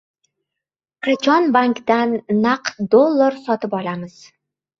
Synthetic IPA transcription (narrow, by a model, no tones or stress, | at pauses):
qʰɑt͡ʃʰɒnbaŋkd̪anːaqd̪olˠːaɾsɒt̪ʰɪpɒlamɪz̥